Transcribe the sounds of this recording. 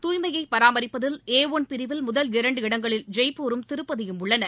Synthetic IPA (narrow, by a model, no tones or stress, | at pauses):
t̪uːjmɐjɐɪpɐɾaːmɐɾɪpːɐðɪleːʋonpɪɾɪʋɪlmʊðɐlɪɾɐɳɖɯɪɽɐŋɡɐɭɪld͡ʒɐɪpːoːɾɯmt̪ɪɾɯpːɐðɐjɯmʊɭːɐnɐ